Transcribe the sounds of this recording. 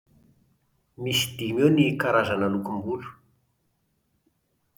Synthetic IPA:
misi̥d̪imewnikaɾazananukumbulu̥

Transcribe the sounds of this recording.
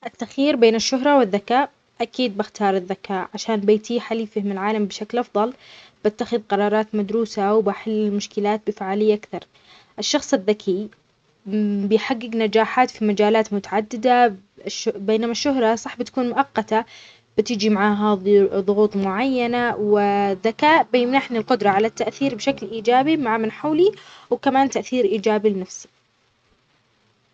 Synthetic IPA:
ʔɪt̪ːaxiːɾbeːnɪʃːʊɦɾˤɑwɪðːakaːʔ | ʔakiːd̪̚bɪxt̪ʰɑːɾˤɪðːakaːʔʕaʃaːnbeːt̪ʰiħaliːfɪhmɪlʕaːlambɪʃaklʔɑfðˤɑl | b̥at̪ːaxɪðqɑɾˤɑːɾˤɑːt̪mad̪ɾuːsawbaħɪlːɪlmʊʃkɪlaːt̪̚bɪfaʕaːlɪjːaʔakθɑɾˤ | ʔɪʃːɑxsˤɪðːakʰi | bɪjħaɡːɪɡnad͡ʒaːħaːt̪fimad͡ʒaːlaːt̪mʊt̪aʕad̪ːɪd̪a | ʃbeːnamaʃːʊhɾˤɑsˤɑħbɪt̪ḁkuːnmʊʔɑqːɑt̪a | b̥ɪt̪ɪd͡ʒimaʕaːɦaðˤʊɣuːt̪ˤmʊʕajːanawɪðːakaːʔbɪjɪmnaħnilqʊd̪ɾˤɑʕalat̪ːaʔθiːɾbɪʃaklʔiːd͡ʒaːbimaʕamɪnħawliwkamaːnt̪aʔθiːɾʔiːd͡ʒaːbilɪnafsi̥

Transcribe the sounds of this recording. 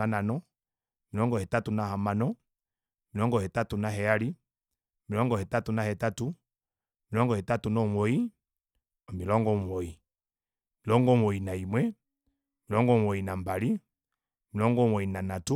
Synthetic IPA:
ananɔ | milɔŋɡɔhɛtatunahamanɔ | milɔŋɡɔhɛtatunaɦɛali | milɔŋɡɔhɛtatunahɛtatu | milɔŋɡɔhɛtatunɔmɔi | ɔmilɔŋɡɔmɔi | milɔŋɡɔmɔinaimwɛ | milɔŋɡɔwɔinambali | milɔŋɡɔmɔinanatu

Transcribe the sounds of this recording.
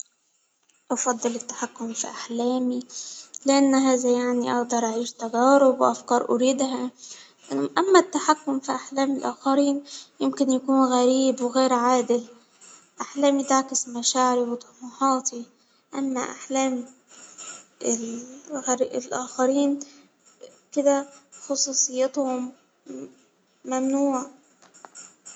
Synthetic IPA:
ʔɑfɑd̪ˤːɨlɪt̪ːḁħakːʊmfḭʔaħleːmilɪʔanːɦaːðajaʕniʔɑʔd̪ɑɾˤʔaʕiːʃt̪aɡaːɾɪbwʔafkɑːɾˤʔʊ̰ɾiːd̪ɦa | ʔʔamːat̪ːaħakːʊmfiʔaħleːmɪlʔa̰ːxaɾiːnjɪmkɪnjakuːnɣaɾiːbwɣeːɾʕaːd̪ɪl | ʔaħlæːmjɪt̪aʕkɪsmaʃaːʕɪɾiwt̪ˤɑmuħɑːt̪ʰi | ʔamːa̰ʔaħlæːm | ɪlɣɾɪlʔaːxaɾiːn | kɪd̪axɑsˤuːsˤɨjːɪt̪hʊm | amnuːʕa

